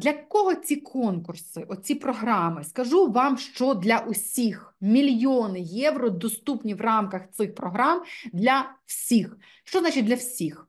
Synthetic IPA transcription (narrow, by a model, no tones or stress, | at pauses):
d̪lʲɐkɔɦɔt͡sʲikʰɔnkʊrsɪʔɔt͡sʲipɾɔɦɾɑmɪskɐʒuʋɑmʃt͡ʃɔd̪lʲɐʔʊsʲixmʲilʲjɔnɪjɛwrɔd̪ɔst̪upnʲiʋrɑmkɐxt̪sɪxpɾɔɦɾɑmd̪lʲɐw̥sʲix | ʃt͡ʃɔznat͡ʃɪt̚ʲd̪lʲɐwsʲix